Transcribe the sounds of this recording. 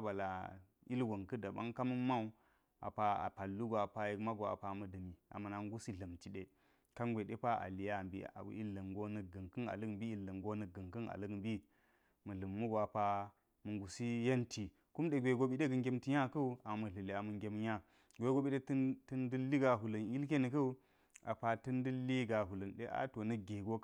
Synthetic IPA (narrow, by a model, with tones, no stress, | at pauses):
ba˨la˨ | i˦lɡo˨ŋkə˦da˨ba̰˦ŋka˦mə˦ma˦u˦ | a̰˨pa˨a̰˨pa˨lːu˦ɡʷa˨pa˨je˨˦kma˦ɡo˨a̰˨pa˨mə˨də˨mi˨a̰˨mə˨na˨ŋ˦ɡu˦si˦ɮə˨mti˨ɗe˦ | ka˦ŋɡʷe˨de˦pa˦ʔa̰˨li˨ja˦˨bḭ˨a̰˨bṵ˦i˦lːə˨ŋɡo˦nə˨ɡə˨ŋkə˦na̰˨lə˦ɡm˦bi˦i˨lːə˨ŋɡo˦nə˨ɡə˨ŋkə˦na̰˨lə˦ɡbi˦ | mɐ˨ɮə˨mːu˦ɡo˨a˨pa˦ | mə˨ŋɡu˨si˦je˦nti˨ | ku˦mɗe˨ɡʷe˨ɡo˦ɓi˦ɗe˦ɡə˨ŋɡe˦mti˦ɲa˦kɐ˦u˦a˨mɐ˨ɮə˨li˨a˨mə˨ŋɡʲe˦mja˦ | ɡʷe˨˦ɡo˦ɓi˦ɗe˦ttə˦ndɨ˦lːi˦ɡa˨ɦu˨lɐ˨ni˦lk̬e˦nə˨kɐ˦u˦ | a̰˨pa˨tɐ˦ndɨ˦lːi˦ɡa˨ɦu˨lə˨nɗḛ˦ʔa̰˦to˨nə˦ɡe˨ɡo˦